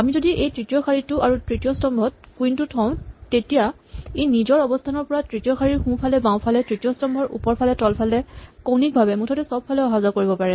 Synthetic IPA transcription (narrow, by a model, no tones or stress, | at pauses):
amizodiʔejtɹitijɔkʰaɹitʊʔaɹutɹitijɔstɔmbʱɔt̚ | kuintutʰɔ̃ʊ̃tetija | ejnizɔɹɔbɔstʰanɔɹpɔɹatɹitijɔkʰaɹiɹxũpʰalɛbãw̃pʰalɛtɹitijɔstɔmbʱɔɹʔṵpɔɹpʰalɛtɔlpʰalɛkownik̚bʱabɛmutʰɔtɛsɔb̚pʰːalɛɔɦazakoɹibɔpaɹɛ